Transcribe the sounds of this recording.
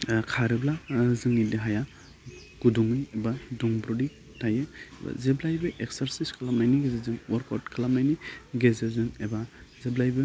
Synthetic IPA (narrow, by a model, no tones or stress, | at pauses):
kʰaɾɯblazɯŋiliɦaja | ɡ̥uduŋɯjebaduŋbɾudi | tajɯba̰zeblajbɯʔeksaɾsiskʰalamajniɡezezɯŋwɔɾka̰wtkʰɯlamajniɡezezɯŋebazeblajbɯ